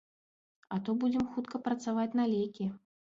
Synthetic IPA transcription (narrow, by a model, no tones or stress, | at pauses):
ɐt̪ɔbud͡zʲɪmxut̪kɐpɾɐt̪savat͡sʲn̪alʲejkʲi